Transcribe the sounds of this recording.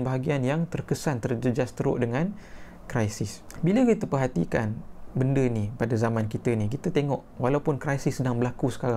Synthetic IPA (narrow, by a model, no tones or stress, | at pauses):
nbaɦaɡianjaŋt̪ərkəsant̪ərd͡ʒəd͡ʒast̪əɾo̰ʔdəŋãn | kɾajsɪs | biləkit̪əpərɦat̪ḭka̰nbəndənipadazamãnkit̪ənikit̪ət̪eŋɔʔwalaupʊnkɾajsɪsːədaŋbəlakusə̥kaɾaŋ